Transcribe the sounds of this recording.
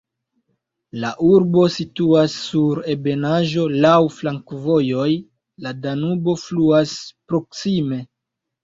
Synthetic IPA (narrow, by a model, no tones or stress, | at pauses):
laʔuɾbo̞situasːuɾe̞be̞naʒo̞lawflaŋkvo̞jo̞j | ladanubo̞fluaspɾo̞ksime̞